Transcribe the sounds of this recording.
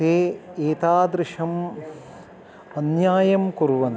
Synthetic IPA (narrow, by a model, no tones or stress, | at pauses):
eːeːt̪aːd̪ɾɪʂɐm | ɐnjaːjɐmkuɾʋɐn